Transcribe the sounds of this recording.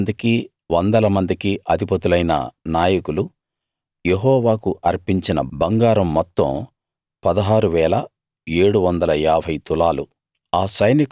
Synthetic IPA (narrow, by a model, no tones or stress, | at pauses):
nd̪iki | ʋɔnd̪ɐlɐmɐnd̪ikiʔɐd̪ʱipɐt̪ulɐjnɐ̰naːjɐkulu | jeɦɔːʋaːkuʔɐɾpiɲt͡ʃinɐ̰bɐŋɡaːɾɐmːɔt̪ːɐ̰m | pɐd̪ɐɦaːɾuʋɛːlɐ | e̞ːɽuʋɐnd̪ɐlɐjaːbʱɐjt̪ulaːlu | aːsɐjnik